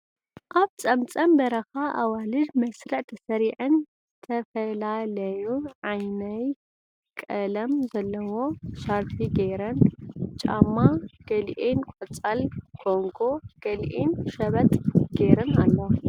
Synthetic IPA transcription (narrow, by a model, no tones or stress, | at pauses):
ʔaβt͡sʼɐmt͡sʼɐmbɐɾɐxaʔawalɨd̪mɐsɾɐʕt̪ʰɐsɐɾiʕɨnzɨt̪ʰɐfɐlalɐjuʕajnɐj | kʼɐlɐmzɐlːɐwo̞saɾfʰiɡeɾɐnt͡ʃʼamːaɡ̥ɐlʔenkʼot͡sʼɐlkʰoŋɡo̞ɡ̥ɐlʔenʃɐβɐt̪ʼɡ̥eɾɐnalːɐw